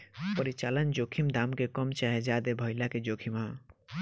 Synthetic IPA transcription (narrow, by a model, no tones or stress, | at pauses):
pəɾit͡ʃaːlənd͡ʒokʰimd̪amkekəmt͡ʃaɦed͡ʒad̪ebʱəɪlaked͡ʒokʰimã